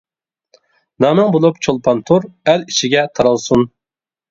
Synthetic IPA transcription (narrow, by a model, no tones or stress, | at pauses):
nɑnɨŋbolˠupt͡ʃʰolˠpʰɑnt̪ʰuɾæliʃɪɡʲɛt̪ʰɑɾɑlˠsun